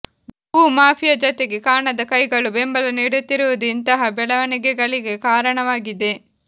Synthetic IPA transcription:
uːmaːpʰijɐd͡ʒot̪eɡe̞kaːɳɐd̪ɐkɐjɡɐɭubembɐlɐniɽut̪ːiɾuʋud̪uint̪ɐɦɐbɛɭɐʋɐniɡɛɡɐɭiɡe̞kaːɾɐɳɐʋaːɡid̪e̞

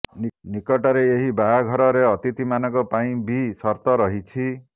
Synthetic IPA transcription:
nnikɔʈɔɾeeɦibaɦaɡʱɔɾɔɾeɔt̪it̪imanɔkɔpaĩbisɔɾt̪ɔɾɔɦit͡ʃʰi

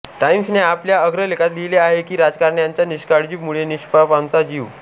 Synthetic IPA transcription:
ʈaimsneapljaəɡɾəlekʰat̪d̪ileaɦekiːɾad͡zkaɾɳjaɲt͡ɕjaniɕkaɽd͡ʑiːmuɭeniɕpapamt͡sad͡ʑiːʋ

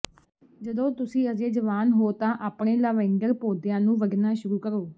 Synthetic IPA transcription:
d͡ʒəd̪õːt̪ʊsĩːəzeːd͡ʒəʋaːnɦoːt̪ãːʔaːpɳeːləʋɛ̃ŋɡəɾpoːd̪ɪjãːnũːʋəɡnãːʃʊɾuːkəɾoː

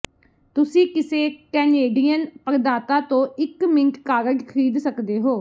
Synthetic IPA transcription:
t̪ʊsĩːkɪseːkɛːneːɖijənpəɾd̪aːt̪aːt̪õːɪkmɪ̃ŋkːaːɾəɡkʰəɾiːd̪səkd̪eːɦoː

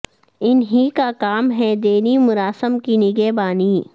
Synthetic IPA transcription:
ɪnɦikakaːmɦɛd̪eːnimʊɾaːsəmkinɪɡebaːniː

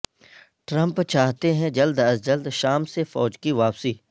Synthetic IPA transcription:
ʈɾə̃mpt͡ʃaːɦt̪eɦɛ̃d͡ʒɐld̪ɐzd͡ʒəld̪ʃaːmsefɔːd͡ʒkiʋaːpsiː

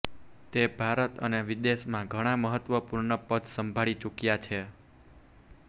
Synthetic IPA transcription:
t̪ebʱaɾət̪ə̰neʋid̪eʃmãɡʱəɽ̃ãməɦət̪ʋəpuɾɳəpəd̪səmbʱaɭit͡ʃukjat͡ʃʰe

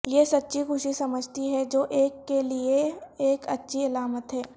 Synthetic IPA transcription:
jesɐtːʃʰikʊʃisɐməd͡ʒʱt̪iɦɛd͡ʒoːʔeːkːelieeːkɐtːʃʰiɪlaːmət̪ɦɛː

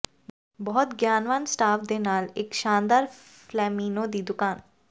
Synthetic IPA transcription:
bɔɦɔt̪ɡjaːnʋaːnsʈaːfd̪enaːleːkʃãːnd̪aːɾ | flɛːmĩːnod̪iːd̪ʊkaːn

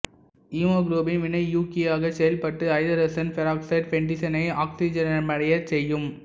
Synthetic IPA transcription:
iːmoːɡɾuːbɪnʋɪnɐɪjuːkeaːɣɐsɛjɐlpɐʈːɯɐɪðɐɾɐsɐnfɛɾaːksɐɪɖfɛɳɖɪsɐnɐɪaːksid͡ʒɐnɐmɐɽɐjɐsɛjːɯm

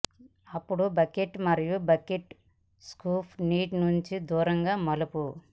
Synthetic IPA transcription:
ɐpːuɽubɐkeʈmɐɾijubɐkeʈ | skuːpʰniːʈnuɲt͡ʃid̪uːɾɐŋɡaːmɐlupu

